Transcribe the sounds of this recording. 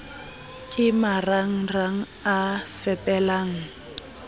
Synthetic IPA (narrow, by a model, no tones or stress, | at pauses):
kʼɪmaraŋ̩raŋ̩ | afɛpʼɛlaːŋ̩